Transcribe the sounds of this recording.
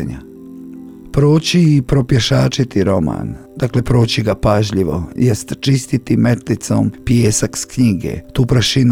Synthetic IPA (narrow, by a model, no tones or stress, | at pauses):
ɲa̰ | pɾoːt͡ɕiːpɾo̞pjeʃaːt͡ʃit̪iɾo̞ma̰ːnd̪akle̞pɾo̞ːt͡ɕiɡapaʒʎiʋo̞̰jest̪t͡ʃist̪it̪ime̞t̪lit̪so̰ːmpjeːsakskɲiɡḛt̪uːpɾaʃin